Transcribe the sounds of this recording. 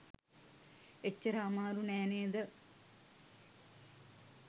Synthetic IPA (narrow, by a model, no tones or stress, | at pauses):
et͡ɕːəɾaːmaːɾunɛːneːd̪ə